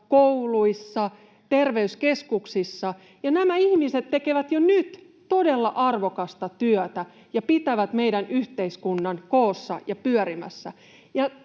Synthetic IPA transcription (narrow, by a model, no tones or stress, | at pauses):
kouluisːɑ | t̪erʋeyskeskuksisːɑ | jɑnæmæihmiset̪tːekeʋæt̪jonyt̪ | todelːɑʔɑrʋokɑst̪ɑt̪yœt̪æ | jɑpit̪æʋæt̪meidænʔyht̪eiskunːɑnkoːsːɑ̰jɑpyœɾimæ̰sːæ | jɑ